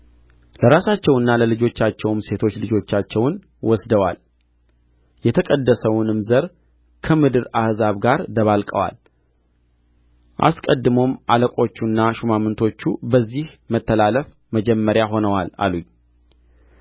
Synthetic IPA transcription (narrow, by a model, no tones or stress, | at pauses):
ləɾasat͡ʃːɛwɨnːaləlɨd͡ʒo̞t͡ʃːat͡ʃːɛwmse̞t̪ʰo̞t͡ʃːlɨd͡ʒo̞t͡ʃːat͡ʃːɛwn | wɔsd̪əwa̰l | jɛt̪ʰəkʼəd̪ːəsəwʊnɨmzəɾ | kʰəmɨd̪ɨɾahzaβɡaɾd̪əβalkʼə̰wa̰l | ʔa̰skʼəd̪ːɨmo̞mʔaləkʼo̞t͡ʃːunːaʃumamɨnt̪ʰo̞t͡ʃːubəzːih | mət̪ʰːəlaləf | məd͡ʒɛmːəɾjaɦo̞nəwala̰luɲ